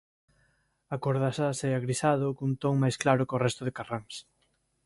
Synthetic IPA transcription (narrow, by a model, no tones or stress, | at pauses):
akoɾðasaseaɣɾisaðʊkunt̪oŋmajsklaɾʊkorɛst̪ʊðɪkaraŋs